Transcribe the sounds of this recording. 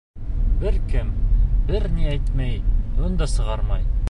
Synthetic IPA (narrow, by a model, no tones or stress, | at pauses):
bɘɾkɘmbɘɾniæjt̪mæjond̪ɑsɤ̆ʁɑɾmɑj